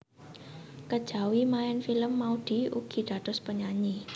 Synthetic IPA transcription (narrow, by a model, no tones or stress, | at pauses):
kəd̥ʒ̥a̤wimaɛnfiləmːaud̪̥i̤ṵɡ̥i̤ɖ̪̥ä̤d̪̥ʊ̤spəɲaɲi